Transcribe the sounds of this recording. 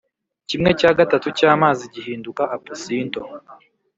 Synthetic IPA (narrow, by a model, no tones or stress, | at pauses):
cimŋe̞caːɡatatucaːmaːziɟihiːndukaʔapusiːnto